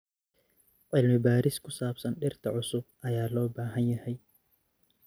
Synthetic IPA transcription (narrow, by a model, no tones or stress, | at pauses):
ʔɪlmɪbaːɾɪskʰʊsaːb̥sɐnɗɪrt̪ʰɐʕʊsʊb̚ʔɐjaːlɔːbaːɦɐnjɐhɛj